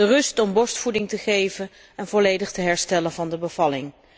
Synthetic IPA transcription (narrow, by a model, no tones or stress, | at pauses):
ərɵstɔmbɔɹstfudɪŋtəχejvən | ɛnvɔlejdəχtəɦɛɹstɛlənvɑndəbəv̥ɑlɪŋ